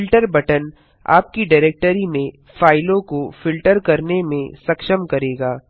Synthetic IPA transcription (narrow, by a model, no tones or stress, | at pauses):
ɪlʈəɾbɐʈən | a̰ːp̚kiɖaːɾeːk̚ʈəɾimẽ | faːɪlõkofɪlʈəɾkɐɾnemẽsɐkʃəmkɐɾeːɡaː